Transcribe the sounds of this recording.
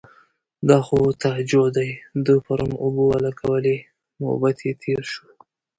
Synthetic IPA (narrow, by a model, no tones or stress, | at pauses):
d̪ɑxot̪ad͡ʒod̪ajd̪ujpaɾumobowalakʰawəle | mo̰bat̪ʰjet̪ʰeɾʃu